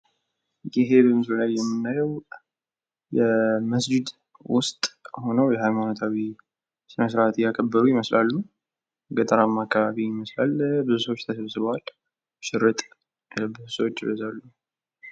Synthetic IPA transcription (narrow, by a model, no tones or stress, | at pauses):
jɪɦe̞bəmɨsləlaljɛmːɨnːajəw | jɛməsd͡ʒɪd̪ | wʊst̪ʼho̞nəwjɛhajmanot̪ʰʼawi | sɨnəsɨɾat̪ʰɪjakʰʼəbːəɾujɪməslalːu | ɡət̪ʼəɾamːakːaβaβiɪməslalːbɨzusəwot͡ʃːt̪ʰəsəβsɨβwal | ʃɪrːət̪ʼ | bɨzusəwot͡ʃːɪbəzalːu